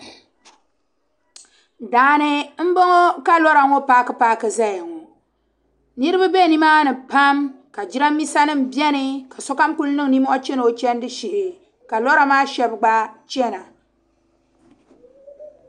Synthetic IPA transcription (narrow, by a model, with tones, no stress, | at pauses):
daː˨˦nɨ˦m̩˦bo˦ŋo˦ka˦lɔ˦ɾa˨˦ŋo˦paː˦kɨ˦paː˦kɨ˨za˦ja˨ŋo˨ | nɨ˦ɾɨ˦bɨ˦be˦˨ni˦maː˦nɨ˨pa˦m | ka˨d͡ʒi˦ɾa˦mːi˦sa˦nɨ˦m̩˨bjɛ˦nɨ˨ka˨sɔ˦ka˦mku˦lnɨ˦ŋ˨ni˦m˦ɔ˦t͡ʃɛ˦no˨˦t͡ʃɛ˦n˦dɨ˦ʃi˨ʔɪ˨ | ka˨lɔ˦ɾa˨maː˦ʃɛ˦bɡ͡ba˦t͡ʃɛ˦na˨